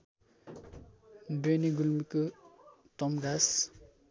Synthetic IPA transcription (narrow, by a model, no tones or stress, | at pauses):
beniɡulmikɯ | t̪ɔmɡas